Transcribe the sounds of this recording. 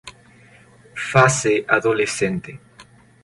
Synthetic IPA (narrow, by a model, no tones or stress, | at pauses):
faseʔaðolesent̪e